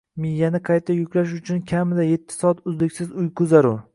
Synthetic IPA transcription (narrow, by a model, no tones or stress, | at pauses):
mɪjːanɪqʰɑjt̪ʰːajʊkʲlaʃ̬ʊt͡ʃʰʊnkʲʰamɪd̪aje̞t̪ʰːɪ̥sɒat̪ʊzd̪ɪkʲsɪzʊjkʰʊzaɾʊ